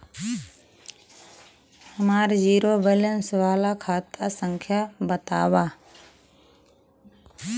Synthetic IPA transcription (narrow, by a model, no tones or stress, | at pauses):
həmaːɾd͡ʒiːɾobələnsʋaːlakʰaːt̪asə̃ŋkʰjabət̪a̰ːwaː